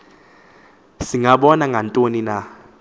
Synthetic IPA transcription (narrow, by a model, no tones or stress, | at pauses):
siŋaɓɔnaŋʱantʼonina